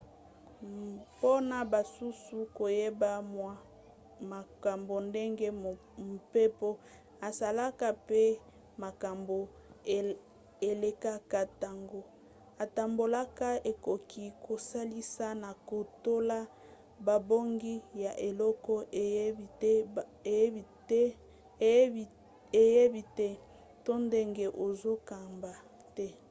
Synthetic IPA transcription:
po˦na˨ba˨su˦su˦ko˨je˦ba˦m˨ | ma˨ka˨mbo˨nde˦ŋɡe˦˨ | m˨pe˦po˦ | a˨za˨la˦ka˦pe˦ | ma˨ka˨mbo˨ | e˨le˨ka˦ka˦ta˨ŋɡo˦ | a˨ta˨mbo˨la˦ka˦e˨ko˨ki˦ko˨sa˦li˦sa˦na˨ko˨to˦la˦ | ba˨bo˦ŋɡi˦ja˨ʔe˨lɔ˦kɔ˦˨˦ | e˨je˦bi˨tɛ˦ | to˦nde˦ŋɡe˦ʔo˨zo˦ka˨mba˨ | tɛ˦

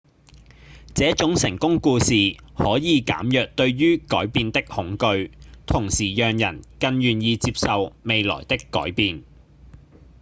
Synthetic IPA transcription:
t͡sɛː˨˥t͡ʃʊ˨˥ŋsɪ˨˩ŋkʊ˥ŋkuː˧siː˨hɔː˨˥jiː˨˧ka̰ː˨˥mjœː˨k̚t̪ɵ˧ɥɥyː˥kɔː˨˥jpiː˧nt̪ɪ˥k̚hʊ˨˥ŋkɵ˧ɥt̪ʰʊ˨˩ŋsiː˨˩jœː˨ŋjɐ˨˩nkɐ˧njyː˨˩njiː˧t͡siː˧p̚sɐ˨wme˨˧jlɔ̰ː˨˩jt̪ɪ˥kːɔ̰ː˨˥jpiː˨˧n

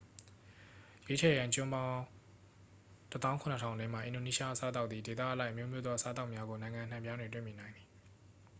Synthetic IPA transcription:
je˦t͡ɕʰɛ˨jã˨t͡ɕʊ̃˦mbã˦ʊ̃ | tə˦t̪ã˦ʊ̃kʰʊ̃˨nə˨tʰã˨ʊ̃ndɛ̃˦m̥a˨ʔɪ̰̃˨do˨ni˦ʃa˦ʔəsa˦t̪a˦ʊʔ̪t̪ði˨de˨t̪a̰˦ʔəla˦ɪʔəmjo˦mjo˦d̪ðɔ˦ʔəsa˦t̪a˦ʊʔmja˦ɡo˨nã˨ɪ̃ŋã˨n̥ã˨mpjã˦nwɪ̃˨twɪ̰̃˦˨mi˨nã˨ɪ̃nd̪ði˨

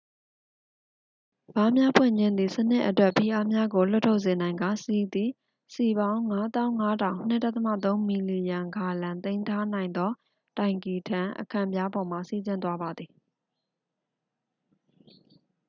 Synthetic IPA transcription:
b̥a˦mja˦pʰwɪ̰̃˦˨ɲd͡ʑɪ̃˦nd̪ði˨sən̥ɪ̰˦ʔətwɛ˦ʔpʰi˨ʔa˦mja˦ɡo˨l̥ʊ˦tʰːo˦ʊʔsɪ̃˨nã˨ɪ̃ŋɡa˦˨si˨d̪i˨ | si˨bã˦ʊ̃ŋa˦t̪ã˦ʊ̃ŋa˦dʰã˨ʊ̃n̥ɪ̰˦ʔtːa˦ʔt̪ə˦mä̰˦˨t̪̬õ˦ʊ̃mi˨li˨jã˨ŋɡa˨lã˨nt̪ẽ˦ɪ̃ntʰa˦nã˨ɪ̃nd̪ɔ˦ | tã˨ɪ̃ŋki˨tʰã˦˨ʔəkʰã̰˦˨mbja˦bɔ˨m̥a̰˦˨si˦˨d͡ʑɪ̃˦nt̪̬wa˦ba˨d̪ði˨

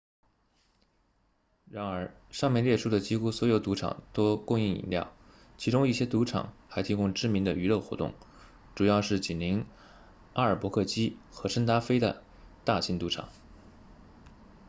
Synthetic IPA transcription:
ɻa˧˥nə˞˧˥ | ʂɑ˥˧ŋmjɛ˥˧nljɛ˥˧ʂu˥˩d̪ə˩t͡ɕi˥xu˥swɔ˧˥jo˧˩ʊt̪u˧˥ʈ͡ʂʰɑ̰˨˩ŋt̪o˥ʊkʊ˥˧ŋi˥˩ḭ˨˩nljɑ̰˥˩ʊ | t͡ɕʰi˧˥ʈ͡ʂʊ˥ŋi˥˩ɕjɛ˥t̪u˧˥ʈ͡ʂʰɑ̰˨˩˦ŋxa˧˥ɪt̪ʰi˧˥kʊ˥ŋʈ͡ʂɻ̩˥mi˧˥nd̪ə˧y˧˥lɤ˥˩ʊxwɔ̰˧˥t̪ʊ̰˥˩ŋ | ʈ͡ʂu˨˩jɑ˥˧ʊʂɻ̩˥˩t͡ɕi˨˩nli˧˥ŋ | a˥ə˞˨˩pwɔ˧˥kʰɤ˥˩t͡ɕi˥xɤ˧˥ʂə˥ŋt̪a˥fe˥ɪd̪ə̰˨ | t̪a˥˩ɕʰi˧˥nt̪u˧˥ʈ͡ʂʰɑ̰˨˩˦ŋ

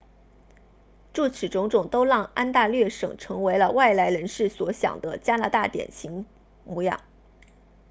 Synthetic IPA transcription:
ʈ͡ʂu˥˩t͡sʰɻ̩˨˩ʈ͡ʂʊ˧˥ŋʈ͡ʂʊ˨˩ŋt̪o˥ʊlɑ˥˩ŋa˥nt̪a˥˧lɥɛ˥˩ʂɤ̰˨˩ŋʈ͡ʂʰɤ˧˥ŋwe˧˥ɪlə˧wa˥˩ɪla˧˥ɪɻə˧˥nʂɻ̩˥˩swɔ˧˥ɕjɑ̰˨˩ŋd̪ə˦t͡ɕja˥na˧˥t̪a˥˩t̪jɛ̰˨˩nɕʰi˧˥ŋ | mu˧˥jɑ̰˥˩˦

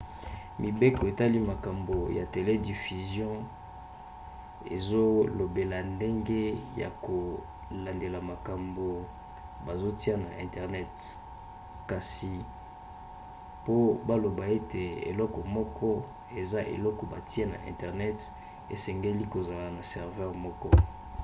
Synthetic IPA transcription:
mʔi˨be˦kɔ˨e˨ta˦li˦ma˨ka˨mbo˨ja̰˨te˨le˦di˨fy˨zjɔ̃˦ | ḛ˨zo˦lo˨be˨la˨nde˦ŋɡe˦ja̰˨ko˨ | la˨nde˨la˨ma˨ka˨mbo˨ | ba˨zo˦ti˦a˦na̰˨ʔɛ̃˨ntɛ˨ʁnɛ˦t | ka˨si˨ | po˦ba˦lo˨ba˨e˦tʰe˨ḛ˨lɔ˦kɔ˨mɔ˦kʰɔ˦ | e˨za˦ʔḛ˨lɔ˦kɔ˨ba˨ti˦e˦na̰˨ʔɛ̰̃˨ntɛ˨ʁnɛ˦t | ḛ˨sɛ˨ŋɡe˦li˦ko˨za˨la˨na˨sɛ˨ʁvɛ˦ʁmɔ˦kɔ˦

